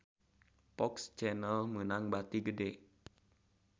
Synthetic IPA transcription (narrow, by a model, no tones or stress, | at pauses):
pɔkst͡ʃɛnəlmənaŋbat̪iɡədɛ